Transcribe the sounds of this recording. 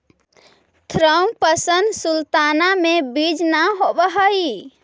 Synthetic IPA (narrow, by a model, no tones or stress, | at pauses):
t̪ʰɾəmpəsənd̪sult̪anamebid͡ʒnaɦobəɦəi